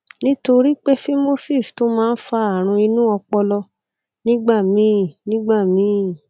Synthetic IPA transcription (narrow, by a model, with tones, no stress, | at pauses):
nĩ˦to˧ɾi˦k͡pe˦fi˦mo˦si˦˨sto˨˦mãː˦n̩˦fa˧a˨ɾ̃ũ˧i˧nũ˦ɔ˧k͡pɔ˧lɔ˧ | nĩ˦ɡ͡ba˦˨mĩ˨˦˨nĩ˦ɡ͡ba˦˨mĩ˨˦˨